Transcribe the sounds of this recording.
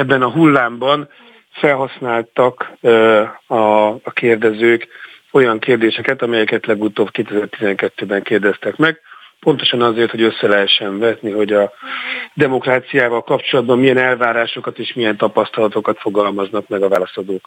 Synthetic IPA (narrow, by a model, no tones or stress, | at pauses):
ɛbːɛnɒɦulːaːmbɒn | fɛlɦɒsnaːlt̪ɒk | ɒːkeːrd̪ɛzøːk | o̞jɒŋkeːrd̪eːʃɛkɛt̪ɒmɛjɛkɛt̪lɛɡut̪oːbkeːt̪ɛzɛrt̪izɛŋkɛt̪ːøːbɛŋkeːrd̪ɛst̪ɛkmɛɡ̚po̞nt̪o̞ʃɒnɒzeːrt̪ho̞ɟøsːɛlɛɦɛʃːɛɱvɛt̪niɦo̞ɟɒ | d̪ɛmo̞kraːt̪sijaːvɒlkɒpt͡ʃo̞lɒd̪̚bɒmːijɛnɛlvaːɾaːʃo̞kɒt̪eːʃmijɛnt̪ɒpɒst̪ɒlɒt̪o̞kɒt̪fo̞ɡɒlmɒznɒkmɛɡɒvaːlɒsod̪oːk